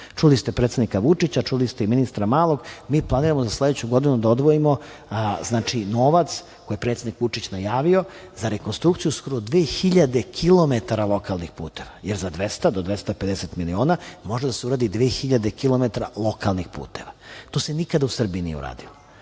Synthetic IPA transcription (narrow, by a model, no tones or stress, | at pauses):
t͡ʂulist̪epɾet̪sed̪nikaʋut͡ʂit͡ɕat͡ʃulist̪eiminist̪ɾamaːlˠo̞ɡmiːplˠaniːɾamozaslˠe̞d̪et͡ɕuɡo̞d̪inud̪aod̪ʋoimo̞ | znaːt͡ʃinoːʋat̪s | kojepɾet̪sed̪nikʋut͡ʂit͡ɕnajaːʋio̞ | zaɾekonst̪ɾukt̪sijusko̞ɾod̪ʋeːxiʎad̪ekʰilˠo̞me̞t̪aɾalˠo̞kalˠnixpṵːt̪e̞ʋajeɾzad̪ʋest̪ad̪od̪ʋest̪aped̪eset̪milio̞ːnamo̞ʒed̪aseuɾaːd̪id̪ʋe̞ːxiʎad̪e̞kilˠo̞met̪aɾalˠo̞kalˠnixpṵːt̪e̞ʋat̪osenikad̪ausr̩biːnḭḛṵɾa̰ːd̪ilo